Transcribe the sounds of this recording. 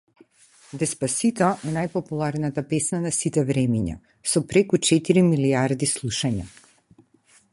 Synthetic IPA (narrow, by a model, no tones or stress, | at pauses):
d̪ɛspasit̪ɔʔɛnajpɔpulˠaɾnat̪apɛsnanasit̪ɛvɾɛmiɲa̰ | sɔpɾɛkut͡ʃɛt̪iɾimiliaɾd̪islˠuʃaɲa